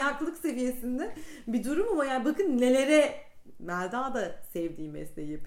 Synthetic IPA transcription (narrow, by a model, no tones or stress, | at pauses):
akllˠɯkse̞vije̞sind̪ænbid̪uɾumamajaːnbakʰɯnne̞lʲe̞ɾɛ | mælʲd̪aːd̪asɛvd̪iːmmɛ̰slʲejep